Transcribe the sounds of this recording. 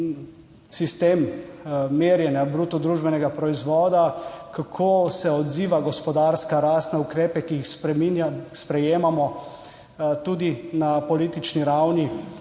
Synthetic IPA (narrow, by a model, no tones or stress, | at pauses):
sist̪eːmː | eːɾjɛnjabɾuːt̪ɔd̪ɾuːʒbɛnɛɡapɾɔizʋɔːd̪akakʰoːsɛɔd̪ziːʋaɡɔspɔd̪aɾskaɾaːst̪nɛukɾeːpɛkiːxspɛmispɾɛjeːmamɔ | t̪uːd̪inapɔliːt̪it͡ʃniɾawni